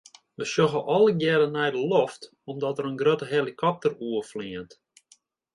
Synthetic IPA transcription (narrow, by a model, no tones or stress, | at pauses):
ʋəsjoxəʔɔlˠəɡjɛɾənɛjdəlɔft | ɔmdɔtəɾənɡrøtəɦelˠikʰɔp̚təruəfliənt